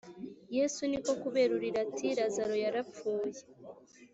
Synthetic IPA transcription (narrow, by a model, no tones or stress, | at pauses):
je̞suniko̞kuβe̞ɾuɾiɾatʰiɾazaɾo̞jaɾap͡fuːje